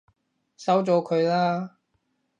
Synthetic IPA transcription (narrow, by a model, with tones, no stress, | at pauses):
sɐ˨˥wt͡sɔː˨˧kʰɵ˨˧ɥlaː˥